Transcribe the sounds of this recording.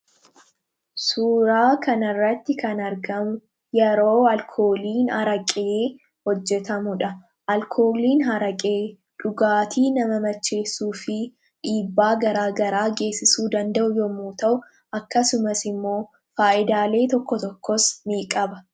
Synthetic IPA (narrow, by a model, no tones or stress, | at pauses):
suːɾaːkɐnɪrːɐt̪ːɪkɐnɐɾɡɐmʊ | jɛɾoːɐlkʰo̞ːliːnhɐɾɐkʼeː | hɔd͡ʒːɛt̪ɐmʊᶑɐ | ʔɐlkʰo̞ːliːnɦɐɾɐkʼeː | ᶑʊɡaːt̪ʰiːnɐmɐmɐt͡ʃːe̞ːsːuːfɪ | ᶑiːbːaːɡɐɾaːɡɐɾaːɡe̞ːsːɪsuːd̪ɐnd̪ɐʔʊjɔmuːt̪ɐʔʊ | ɐkːɐsʊmɐsɪmːo̞ː | faːʔɪd̪aːle̞ːt̪ɔkːɔt̪ɔkːɔsmiːkʼɐbɐ